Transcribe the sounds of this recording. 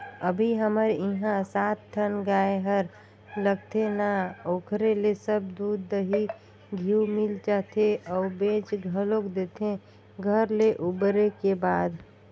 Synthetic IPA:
əbʱiɦəməɾɪɦãsaːt̪ːʰənɡaːeɦəɾ | ləɡt̪enaoːkʰɾelesəb̚d̪uːd̪ːəɦi | ɡʱiumɪld͡ʒaːt̪eɔːɾbẽːt͡ʃɡʱəlokd̪eːt̪ʰẽ | ɡʱəɾleʔubɾekebaːd̪

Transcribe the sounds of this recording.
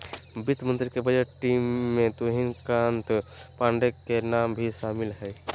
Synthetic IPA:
bit̪mənt̪ɾikebəd͡ʒeʈʈːimːẽt̪oɦinkant̪pãɳɖekːenambʱiʃaːmilɦɛj

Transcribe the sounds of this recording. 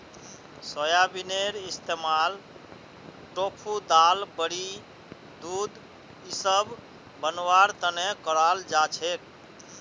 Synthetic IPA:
səjabineɾist̪emal | ʈopʰud̪albəɽi | d̪ud̪ | isəb | bənwaɾt̪ənekəɾald͡ʒat͡ʃʰek̚

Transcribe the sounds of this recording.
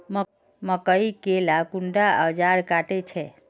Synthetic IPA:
m | məkəikelakuɳɖaəd͡ʒaɾkaʈet͡ʃʰɛ

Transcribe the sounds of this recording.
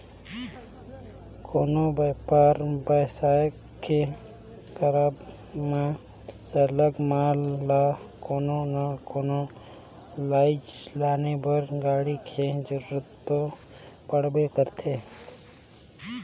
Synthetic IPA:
kʰoːnobəpaːɾbəːsaːjək | ke | t̪əɾab | mẽ | sələɡmaːlːaːkoːnonakoːno | laːɪd͡ʒlaːnebəɾɡaːɽikʰed͡ʒəɾuɾət̪ːo | pəɽ̤bekəɾt̪ʰeː

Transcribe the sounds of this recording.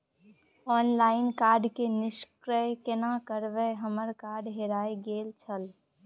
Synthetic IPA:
ɔːnlaːɪnkaːɾɖkenɪʃkɾəkenakəɾʋəɦəməɾkaːɾɖɦeɾaːeɡeːlt͡ʃʰəl

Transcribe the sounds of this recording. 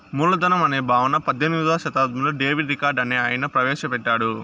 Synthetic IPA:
muːɭːɐd̪ɐnɐmɐneːbʱaːʋɐnɐpɐd̪ʱːeniʋaːʃɐt̪aːd̪̚mɐloːɖeːʋiʈɾikaːɾɖɐneːaːjɐnɐpɾɐʋɛːʃɐpɛʈːaːɽu

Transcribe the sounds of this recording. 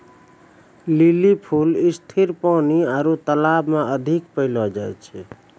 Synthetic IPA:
lilipʰulist̪ʰiɾpaniaɾut̪əlabmẽəd̪ʱikpəɪlɔd͡ʒajt͡ʃʰɛ

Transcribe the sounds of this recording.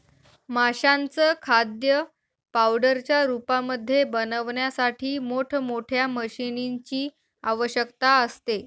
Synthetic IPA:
maɕant͡səːkʰad̪jə | pawɖəɾt͡ɕjaɾupaməd̪ʱːjebənəʋɳjasaʈʰiːmoʈʰmoʈʰjaməɕiniɲt͡ɕiː | aʋəɕjəkt̪aəst̪e

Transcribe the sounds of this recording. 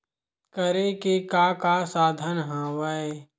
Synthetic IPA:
kəɾekekaːkaːsaːd̪ʱənɦãːwae

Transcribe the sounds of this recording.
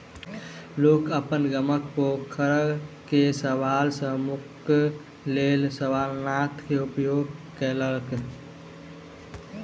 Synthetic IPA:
lokəpənɡəmək̚pokʰəɾkesəʋalsə̃muk | lelsəʋalnat̪keupjoɡkɛləlk

